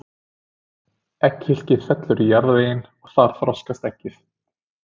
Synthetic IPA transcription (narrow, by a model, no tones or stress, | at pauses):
ɛchɪl̥cɪð̥fɛt̪lʏɾijaɾðvejɪnɔɣθaɾ̥θɾɔskast̪ɛcːɪθ